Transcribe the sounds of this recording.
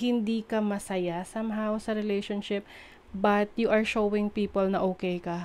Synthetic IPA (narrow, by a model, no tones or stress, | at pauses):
hɪnd̪ikɐmɐsɐjasɐmɦawsɐɾɛlɛjʃonʃɪp̚ | bɐt̪juʔɐɹʃowɪ̃ŋpiːpolnɐʔoːkɛjkɐ